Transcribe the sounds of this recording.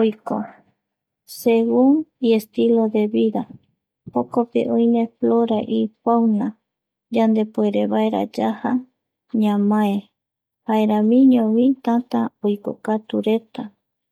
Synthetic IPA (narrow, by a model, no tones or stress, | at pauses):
ojko̰ | seɡuŋie̞st̪ilod̪e̞βiða | pokopḛʔõjmefloɾaʔifawna | d͡ʒand̪e̞poeɾeβaeɾa̰d͡ʒaha | ɲãmãe | haeɾãmĩɲõwĩt̪at̪aojko̰kat̪uɾe̞t̪a